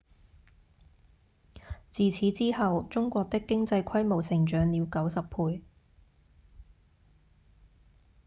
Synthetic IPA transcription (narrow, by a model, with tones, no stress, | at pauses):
t͡siː˨t͡sʰiː˨˥t͡siː˥hɐ˨wt͡sʊ˥ŋkʷɔː˧k̚t̪ɪ˥kːɪ˥ŋt͡sɐ˧jkʰɐ˥jmo˨˩wsɪ˨˩ŋt͡ʃœː˨˧ŋliː˨˧wkɐ˨˥wsɐ˨˩ppʰuː˧j